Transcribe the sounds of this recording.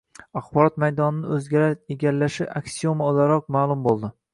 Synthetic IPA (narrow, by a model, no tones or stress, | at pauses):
aχbɒɾɒt̪majd̪ɒnɪnɪɵzɡʲaɾaɾeɡʲaɾːaʃɪʔaksiomaolˠaɾɒq̚maːlˠʊmbolˠd̪ɪ